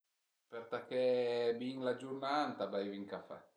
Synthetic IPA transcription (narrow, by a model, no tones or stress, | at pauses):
pɛɾt̪akɛbiŋlad͡ʒuɾnant̪abajviŋkafɛ̰